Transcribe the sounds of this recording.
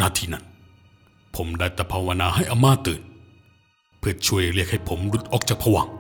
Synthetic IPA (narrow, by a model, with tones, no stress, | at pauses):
naː˧˩t̪ʰiː˧na̰˧˩n | pʰo˩˦mdaː˧˩jt̪ɛː˧˩pʰaː˧wa˧naː˧ha˥˩jʔa˧˦mːaː˥˩t̪ːɤː˨˩n | pʰɯ˧˩ət͡ɕʰu˧əjɾli˥˩ək̚ha˥˩jpʰo˩˦mlu˦˥t̪̚ʔɔː˨˩k̚t͡ɕaː˨˩k̚pʰa˧wa˧˦ŋ